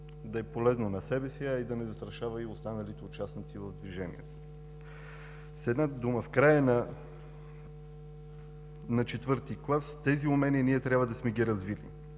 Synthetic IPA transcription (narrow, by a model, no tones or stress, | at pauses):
d̪ɐɛpolɛznonɐsɛbɛsiɐid̪ɐnɛzɐst̪ɾɐʃavɐiost̪anɐlit̪ɛʊt͡ʃasnit̪sivɐvd̪viʒɛnḭɛt̪o̥ | sɛd̪nad̪uməfkɾajən | nɐt͡ʃɛt̪vɤɾt̪iklˠast̪ɛziʊmɛniniɛt̪ɾʲjabvəd̪ɐsmɛɡiɾɐzvilḭ